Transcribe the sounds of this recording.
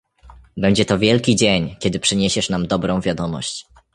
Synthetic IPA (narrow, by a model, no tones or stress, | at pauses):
bɛɲd͡ʑɛt̪ɔvʲjɛlkʲid͡ʑeɲkʲɛd̪ɘpʂɘɲeɕɛʂnamd̪ɔbɾɔ̃w̃vʲjad̪ɔmɔ̰ɕt͡ɕ